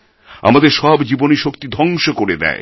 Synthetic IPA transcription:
a̰mad̪eɾʃɔbd͡ʑiboniʃokt̪id̪ʱɔŋʃokoɾed̪ɛ̰e

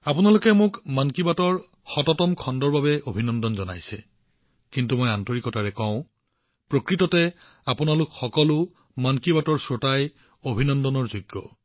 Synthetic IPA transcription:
apunalʊkɛmʊkmankibatɔɹ | xɔtɔtɔmkʰɔndɔɹbabɛobʱinɔndɔnzɔna̰jsɛ̰ | kintumɔjantoɹikɔtaɹɛkɔ̃ʊ̃ | pɹokɹitɔtɛ | apunalʊkxɔkɔlʊ | mankibatɔɹsotaj | obʱinɔndɔnɔɹzuɡːɔ

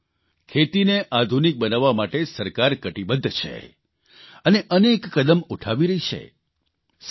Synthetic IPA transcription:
kʰet̪ineʔad̪ʱunik̚bənaʋːamaʈesəɾkaɾkəʈibəd̪ʱːt͡ʃʰḛ | əneʔənekːəd̪əmuʈʰaʋiɾəɦit͡ʃʰḛ | s

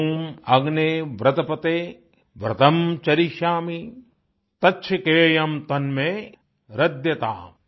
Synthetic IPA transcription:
mɐɡneːʋɾɐt̪ɐpɐt̪eː | ʋɾɐ̰t̪ɐmt͡ʃɐɾiʃaːmi | t̪ɐtːt͡ʃʰɐkeːjɐmt̪ɐnmeː | ɾɐd̪jɐt̪a̰ː

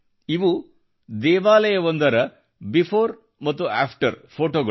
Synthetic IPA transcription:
iʋu | d̪ɛːʋaːlɐjɐʋond̪ɐɾɐ | bipʰoːɾ | mɐt̪ːua̰ːpʰʈɐɾpʰoːʈoːɡɐ

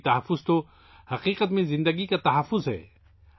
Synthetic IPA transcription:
t̪ɐɦəfːʊzt̪o | hɐqiːqət̪mẽzɪ̃nd̪əɡikat̪ɐɦɐfːʊzɦɛ̰ː

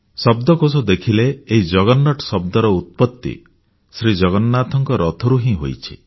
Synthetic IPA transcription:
sɔbd̪ɔkos̬ud̪ekʰileːɦid͡ʒɔɡɔnːɔʈɔsɔb̚d̪ɔɾɔut̪̚pɔt̪ːḭ | sɾid͡ʒɔɡɔnːat̪ʰɔŋkɔɾɔt̪ʰɔɾuɦĩɦo̰jt͡ʃʰḭ

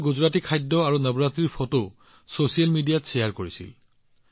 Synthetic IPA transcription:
ɡuzɹatikʰajdːɔaɹunəbɹatiɹpʰɔto | sosijalmidijatsɛjaɹkoɹisḭl

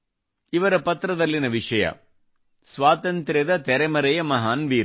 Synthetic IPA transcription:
ɪʋɐɾɐpɐt̪ɾɐðɐlːɪnɐʋɪʂɐjɐ̰ | sʋaːt̪ɐnt̪ɾɐðɐt̪ɛɾɐɪmɐɾɐjɐmɐɦaːnʋiːɾ

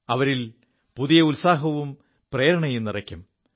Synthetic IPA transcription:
ɐʋɐɾil | puðijɐulsaːɦɐʋum | preːɾɐɳɐjumnirɐkʲːum

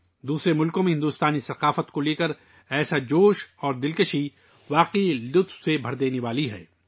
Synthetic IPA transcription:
d̪uːsɾemʊlkõmẽɦɪ̃nd̪uːst̪aːnisɐqaːfət̪koleːkəɾ | ɛːsad͡ʒoːʃɔːɾd̪ɪlkəʃi | ʋaːqilʊt̪wsebʱɐɾd̪eːneʋaːliɦɛ̰ː

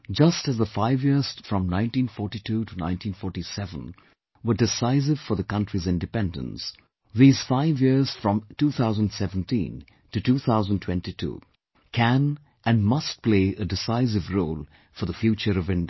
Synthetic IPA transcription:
d͡ʒʌstɨzðəfaɪvjɪɹz̥fɹʌ̃mnãɪ̃ntĩnfɔɹʈitʰuɾunã̰ɪ̃ntĩnfɔːɹʈisɛvə̰̃n | wə˞dɪsaɪs̬ɨv̥fə˞ðəkʌ̃ntɹizɪ̃ndɨpɛ̃ndə̰̃ns | ðiːz̥faɪvjɪɹz̥fɹʌ̃mtuːθʰaʊzə̃ndsɛṽn̩tḭ̃n | tɨtuːθʰaʊzə̃ntʰw̥ɛ̃ntitʰṵː | kʰæ̃n | ɨ̃nmʌst̚pl̥eɪʔədɪsaɪsɨvɹoʊlˠ | fɔðəfjuːt͡ʃəɾʌvɪ̃n

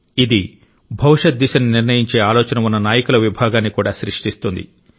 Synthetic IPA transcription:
id̪i | bʱɐwʂɐt̪̚d̪iʃɐniniɾnɐjiɲt͡ʃe̞ːaːlɔːt͡ʃɐnɐmunːɐnaːjɐkulɐʋibʱaːɡaːnːikuːɽaːʃɾiʂʈist̪und̪ḭ

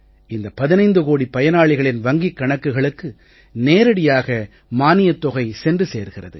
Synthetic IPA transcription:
ɪnd̪ɐpɐðɪnɐɪnd̪ɯɣoːɽipɐjɐnaːɭɪɣɐɭɪnʋɐŋɡikːɐɳɐkːɯɣɐɭɯkːɯ | neːɾɐɽɪjaːɣɐ | maːnɪjɐt̪ːɔɣɐɪsɛndrɯsḛːɾɣɪrɐðɯ̰

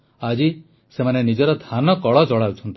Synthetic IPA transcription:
ad͡ʒi | semanenid͡ʒɔɾɔd̪ʱanɔkɔɭɔd͡ʒɔɽawt͡ʃʰɔnt̪i

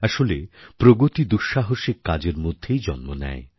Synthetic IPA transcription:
aʃolepɾoɡot̪id̪uʃaɦoʃikːad͡ʑeɾmod̪ʱːejd͡ʑɔnmonɛ̰e

